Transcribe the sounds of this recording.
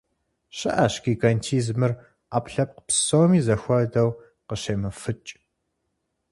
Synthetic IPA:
ɕɪʔɐɕkiɡɐntʰiːzmɨr | aːpɬɐp̚qə̥psoːmiːzɐxʷɔdɐw | qəɕeːmɨfɨt͡ʃʼ

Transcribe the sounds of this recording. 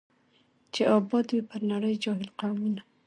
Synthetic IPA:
t͡ʃeʔɑbɑd̪wipəɾnaɽəjd͡ʒɑɦɪlqawmuna

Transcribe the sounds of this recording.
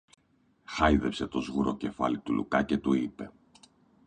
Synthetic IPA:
xɐjðepse̞t̪o̞zɣuɾo̞ce̞fɐ̰lit̪ulṵkɐce̞t̪uipe̞

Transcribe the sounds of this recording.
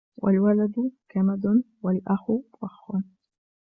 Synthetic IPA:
wʔa̰lwalad̪ʊkamad̪ʊ | walʔaxʊwaxːʊn

